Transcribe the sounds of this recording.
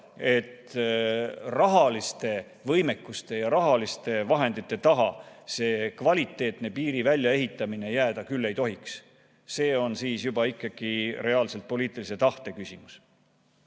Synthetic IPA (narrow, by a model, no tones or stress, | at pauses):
e̞t̪ː | rɑɦɑlist̪e̞ | vɤjme̞kːˑust̪e̞jɑɾɑɦɑlist̪e̞vɑɦe̞nd̪̥it̪ːˑe̞t̪ɑɦɑ̰se̞ːkvɑlʲit̪ːˑe̞ːt̪ˑne̞piːɾivælʲjɑe̞ɦit̪ːˑɑmine̞jæːd̪̥ɑkylːe̞jt̪o̞ɦiks | se̞ːo̞nsiːsjubɑikːˑɑɡ̥ire̞ɑːlse̞lt̪̚po̞liːt̪ːˑilise̞t̪ɑht̪e̞kysʲimus